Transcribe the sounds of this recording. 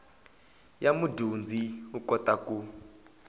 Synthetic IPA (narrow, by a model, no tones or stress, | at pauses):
jamudund͡zʱiukɔtakʼu